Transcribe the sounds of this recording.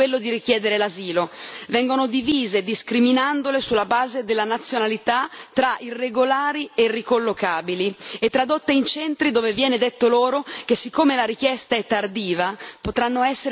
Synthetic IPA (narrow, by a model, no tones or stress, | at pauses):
welːod̪iɾik̟jɛːd̪eɾelaziːlovɛŋɡonod̪iviːzed̪iskɾiminand̪olesulːabaːzed̪elːanat̪sːjonalit̪at̪ɾaʔirːeɡolaːɾierːikolːokaːbiliet̪ːɾad̪ot̪ːeint͡ʃɛnt̪ɾid̪oːvevjɛːned̪et̪ːoloːɾok̟esːikʰːoːmelaɾik̟jɛst̪aɛt̪ːard̪iːvapot̪ɾanːoɛsːeɾ